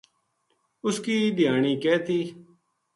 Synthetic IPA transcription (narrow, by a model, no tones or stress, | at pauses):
ʊskiːd̪ɪjaːɳiːkeːt̪ʰiː